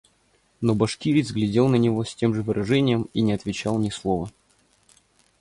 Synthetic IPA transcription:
nobɐʂkʲiɾʲɪzɡlʲɪdʲe̞lˠnənʲɪvo̞sʲtʲe̞mʐɨvɨɾʔɐʐɛnʲɪjəminʲɪɐt̪vʲɪt͡ɕalˠnʲɪslˠovə

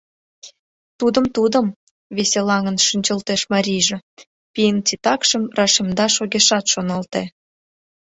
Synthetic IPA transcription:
t̪ud̪ə̆mt̪ud̪əm | βeselɑŋə̆nʃynʲt͡ɕəlt̪eʃmɑɾʲijʒĕ | pijənt͡sit̪ɑkʃəmrɑʃemd̪ɑʃoɣeʃɑt̪ʃonɑlt̪e

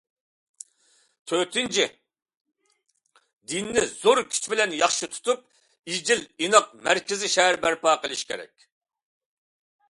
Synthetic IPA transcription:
t̪ʰøt̪ʰɪnt͡ʃʰi | d̪inːɪz̥oɾkʲʰy̥t͡ʃʰbɪlɛnjɑχʃɨt̪ʰu̥t̪up̚ | id͡ʒilinəq̚mæɾkʲɪzɪʃɛɦæɾbæɾpɑːqəlˠɪʃkʲʰḛɾɛ̰k̚ʲ

